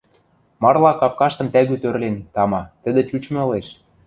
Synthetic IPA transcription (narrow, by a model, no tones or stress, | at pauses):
mɑrlɑkɑp̚kɑʃt̪ɤ̆mt̪æɣyt̪øɾlent̪ɑmɑt̪ə̆d̪ĕt͡ɕut͡ɕmɤ̆ɤ̆leʃ